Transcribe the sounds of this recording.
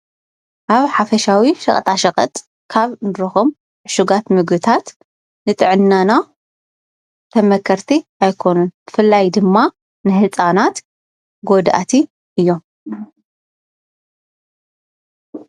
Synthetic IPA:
ʔaβħafɐʃawiʃɐ̰χʼt̪ʰʼaʃɐχʼɐ̰t̪ʼ | kʰaβnɾɐxom | ʕɨʃuɡat̪mɨɡɨt̪ʰat̪ | nɨt̪ʼɨʕɨnːana | t̪ʰɐmɐkʰɐɾt̪ʰiajkʰo̞nunb̥ɨfɨlːajd̪ɨmːa | nɨhɨt͡sʼanat̪ | ɡod̪ʔa̰t̪ʰi | ʔɨjːo̞m

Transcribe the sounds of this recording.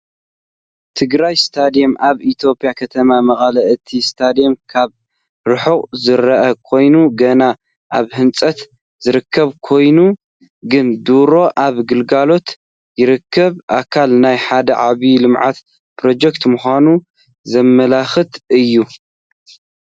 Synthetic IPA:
t̪ʰɨɡɾajst̪ʰad̪ijemʔaβit̪ʰjo̞pʼjakʰɐt̪ʰɐmamɐχʼɐlɐʔɨt̪ʰist̪ʰad̪ijemkʰaβ | ɾɨħuχʼzɨɾɐʔɐkʰo̞jnuɡɐna | ʔaβhɨnt͡sʼɐt̪ | zɨɾɨkʰːɐβkʰo̞jnu | ɡɨnd̪uɾo̞ʔaβɡɨlɡalo̞t̪ | jɪɾɨkʰːɐβʔakʰalnajħad̪ɐʕaβilɨmʕat̪ | pʰɾo̞d͡ʒɛkt̪muxʷanu | zɐmːɐlaxɨt̪ɨjːu

